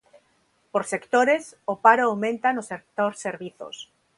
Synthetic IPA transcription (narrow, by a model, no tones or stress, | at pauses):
poɾse̞kt̪oɾe̞sopaɾoawmẽ̞nt̪anosek̚t̪oɾseɾβiθo̰s